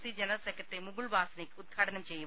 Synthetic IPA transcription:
siːd͡ʒɛnɾɐlsekɾɐʈɾimuɡuɭbaːsɐnikud̪̚ɡʰʱaːʈɐnɐmt͡ʃeːjɐ

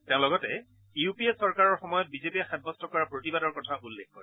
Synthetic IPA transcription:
teʊ̃lɔɡɔtɛ | iupiesɔɹkaɹɔɹxɔmɔjɔt̚bizepiaxɛd̚bɔstɔkɔɹapɹotibadɔɹkɔtʰaʔulːekkɔ̰ɹɛ

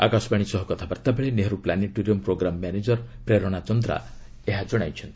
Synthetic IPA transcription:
a̰kasɔbaɽ̃isɔɦɔkɔt̪ʰabaɾt̪abeɭeneɦɔɾuplaneʈuɾiɔmpɾoɡɾamːjaned͡ʒɔɾpɾeɾɔɽ̃at͡ʃɔnd̪ɾa̰ | eɦad͡ʒɔɽ̃ajt͡ʃʰɔnt̪i̥

